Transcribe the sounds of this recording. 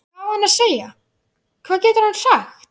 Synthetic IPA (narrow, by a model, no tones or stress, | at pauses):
awhanːaðseːja | kʰv̥aːðcɛːt̪ʏɾ̥hanfaxt̪